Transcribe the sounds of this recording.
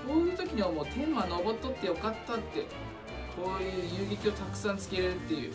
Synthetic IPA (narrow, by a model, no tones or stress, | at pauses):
ko̞ːjɯ̟ːt̪o̞kʲiɲ̟iβamo̞ːt̪ʰẽ̞mːano̞bo̞t̪ːo̞t̪ːe̞jo̞kat̪ːat̪ːe̞ | kʰo̞ːjɯ̟ːjɯːɡʲikʲio̞t̪akɯ̟̥sãnt͡sɨ̥ke̞ɾeɾɯ̟t̪ːe̞jɯ̰ː